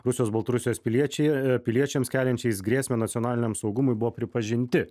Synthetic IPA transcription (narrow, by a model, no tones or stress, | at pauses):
ɾʊsʲɪjoːsbɐlˠt̪ɐɾʊsʲjoːspʲɪlʲiɛt͡ʃʲɛpʲɪlʲiɛt͡ʃʲɛmskʲæːlʲɛnʲt͡ʃʲɛɪsɡɾʲeːsʲmʲenɐt̪sʲɪjɔnɑːlʲɪnʲɛmsɒʊɡʊmʊɪbʊʋoːpʲɾʲɪpɐʒʲɪnʲt̪ʲɪ